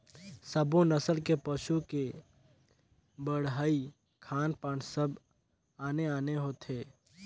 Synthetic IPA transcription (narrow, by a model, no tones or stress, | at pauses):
sɐbõnɐsəlkepɐʃuke | bɐɽɦaːi | kʰaːnpaːɳsɐb | aːneaːneɦoːt̪ʰɦeː